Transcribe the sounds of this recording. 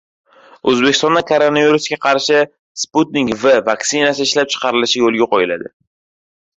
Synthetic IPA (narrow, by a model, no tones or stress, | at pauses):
ɵzbekʲɪst̪ɒnd̪akʰoɾo̞naviɾusɡʲaqʰɑɾʃɪ | sput̪nɪkvavaksɪnasɪɪʃlap̚t͡ʃʰɨ̥qʰɑɾɪlɪʃɪjolˠɡʲaqʰojɪla̰d̪ɪ